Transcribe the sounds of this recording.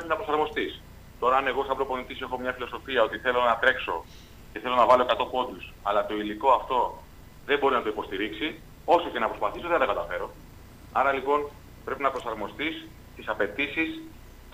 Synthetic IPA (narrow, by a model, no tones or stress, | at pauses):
pɾepiznɐpɾo̞sɐɾmo̞st̪is | t̪o̞ɾɐɐne̞ɣo̞sɐpbɾo̞po̞nit̪isoexo̞mɲɐfilo̞so̞fiɐo̞t̪iθe̞lo̞nɐt̪ɾe̞kso̞ | ceθe̞lonɐvɐloekɐt̪o̞po̞d̪usɐlɐt̪o̞iliko̞ɐft̪o̞ | ðe̞mbo̞ɾinɐt̪o̞ipo̞st̪iɾiksi | o̞so̞ce̞nɐpɾospɐθiso̞ðenɐt̪ɐkɐt̪ɐfe̞ɾo̞ | ɐɾɐlipo̞n | pɾe̞pinɐpɾo̞sɐɾmo̞st̪is | t̪isɐpe̞t̪isis